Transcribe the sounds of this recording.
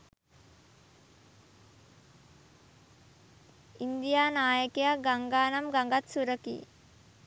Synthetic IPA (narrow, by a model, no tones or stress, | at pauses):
ind̪ijaːnaːjəkejaɡaŋɡaːnamɡaŋɡat̪suɾəkḭː